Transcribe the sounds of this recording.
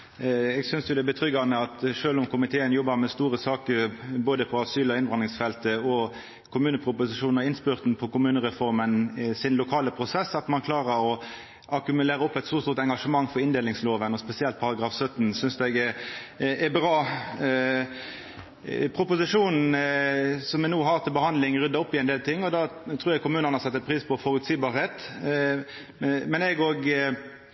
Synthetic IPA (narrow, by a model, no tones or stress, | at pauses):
ɛɡsʏnsjʊd̪ɛæɛbət̪ʰʁʏɡɑnəɑt̪ʂøːlʊmkʰʊmɪt̪ʰeːənjɔbɑʁmɛst̪uːʁəsɑːkəɾboːd̪əpʰɔɑsyːlɔɪnʋɑnɪŋsfɛlt̪əɔ | kʰʊmʉːnəpʰʁʊpʊsɪʂuːnɔɪnspʏʁt̪npʰɔkʊmʉːnəʁɛfɔʁmənsɪnlʊkʰɑːləpʰʁʊsɛsːɑt̪mɑnkʰlɑːʁəɾɔ | ʔɑkʉmʉleːɾəɔpːɛt̪suːst̪uːʁt̪ɛŋɡɑʂəmɑŋːfɔɾɪnd̪eːlɪŋsloːʋənɔspɛsɪɛlt̪̚pʰɑʁɑɡʁɑːfsœt̪n̩sʏnsd̪ɛɡɛ | ɛbʁɑː | pʰʁʊpʊsɪʂuːnn̩ | sɔmɛnuːɦɑːʁt̪ʰɪlbəhɑnd̪lɪŋʁʏd̪ːɑɔpːɪɛnd̪eːlt̪ʰɪŋːɔd̪ɑt̪ʰɾuːɾjɛkʊmʉːnənəhɑsɛt̪ːət̪̚pʰɾiːspʰɔfɔɾʉt̪siːbɑːɾheːt̪ | mɛnɛɡoːɡ